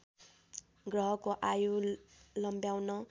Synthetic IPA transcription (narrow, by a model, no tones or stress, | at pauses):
ɡrʌɦʌkoʔajulʌmbjawnʌ